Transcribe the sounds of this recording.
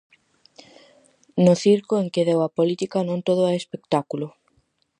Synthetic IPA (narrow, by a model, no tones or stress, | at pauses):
nʊθiɾkʊeŋkɪðewapolit̪ikanõnt̪oð̞ʊaespekt̪akulʊ